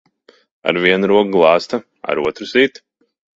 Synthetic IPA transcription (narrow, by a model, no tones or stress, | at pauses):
a̰ɾviɛnuɾuɔkɡlˠɑːst̪ɐ | a̰ɾuɔt̪ɾusit̪